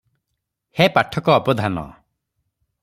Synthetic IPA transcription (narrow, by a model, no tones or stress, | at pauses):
hepaʈʰɔkɔːbɔd̪ʱanɔ̰